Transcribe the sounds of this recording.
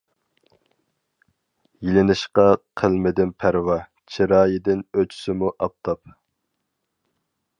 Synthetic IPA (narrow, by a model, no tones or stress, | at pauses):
jilɪnɪʃqɑqʰəlˠmɪd̪ɪnpʰæɾwɑ | t͡ʃʰiɾɑːjɪd̪ɪnøt͡ʃʰy̥sɪmuʔɑp̚t̪ʰɑp̚